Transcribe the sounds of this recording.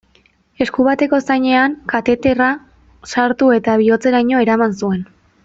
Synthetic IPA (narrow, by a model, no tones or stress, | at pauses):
e̞skuβat̪e̞ko̞sajɲe̞aŋkat̪e̞t̪e̞ra | saɾt̪ue̞t̪aβ̞io̞t͡se̞ɾaɲo̞e̞ɾamansue̞n